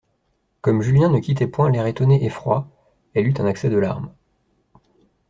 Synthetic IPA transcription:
kɔmʒyljɛ̃nəkʲit̪ɛpwɛ̃lɛʁet̪ɔneʔefχwa | ɛlyt̪ɛ̃naksɛd̪əla̰ʁm

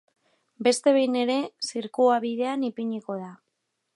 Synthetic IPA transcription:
be̞st̪e̞βe̞jne̞ɾe̞siɾkuaβiðe̞anipiɲiko̞ð̞a

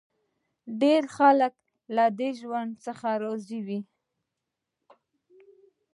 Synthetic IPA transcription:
ɖeɾxalək | lad̪eʒwand̪səxaɾoziwi

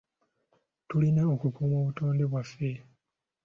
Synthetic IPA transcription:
tulineokukumoβutoːndeβwafe

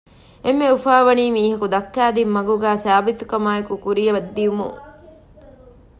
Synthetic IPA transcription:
emːeufaːʋɐniːmiːɦɐkud̪ɐkːæːd̪imːɐɡuɡæːsaːbit̪ukɐmaːekukuɾijɐʋɐd̪ːiumṵ

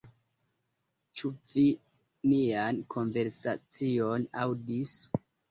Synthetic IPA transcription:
t͡ʃuvi | miankʰo̞nve̞ɾsat͡sionawdis

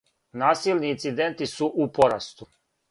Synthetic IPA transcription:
naːsiːlˠniːnt̪sid̪ent̪isuʔupoɾast̪u

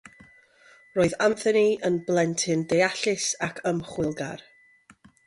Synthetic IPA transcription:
roːɨðanθəniənblˠɛntʰɪndejaɬɪsakʰəmχwɪlˠɡa̰r

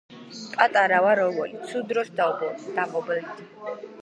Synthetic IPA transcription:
pʼat̪ʼaɾawaɾɔvɔlisʰud̪ɾɔsd̪abd̪̥apʼɔbɛlit̪i

